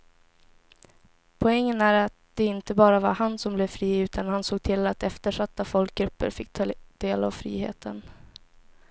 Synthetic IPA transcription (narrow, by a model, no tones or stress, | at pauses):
pʰɔɛŋːənæɾat̪̚d̪̥ɛɪnt̪əbɑːɾavaɾhansɔmblɛvfɾiːʉ̟ːt̪ʰanhansoːɡ̚t̪ʰɪlːat̪ɛft̪əʂat̪ːafɔlk̚ɡɾɵpːə̰ɾfɪkːt̪ʰd̪̥eːla̰vfɾḭːhḛːt̪ʰən